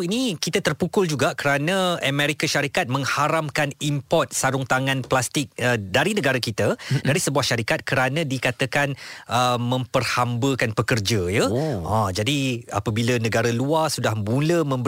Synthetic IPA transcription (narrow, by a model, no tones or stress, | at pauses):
inikit̪at̪ərpukʊld͡ʒuɡakəɾanãəmɛ̃ɾikaʃaɾikat̪̚mə̃ŋhaɾamkanimpɔt̪̚saɾʊŋt̪aŋãnplast̪ɪk̚ədaɾinə̃ɡaɾakit̪adaɾisəbuahʃaɾikat̪̚kəɾanãdikat̪əkanəmə̃mpərhambəkanpəkərd͡ʒəjəʔãd͡ʒadia̰pabilanə̃ɡaɾaluarsudahmuləmə̃mb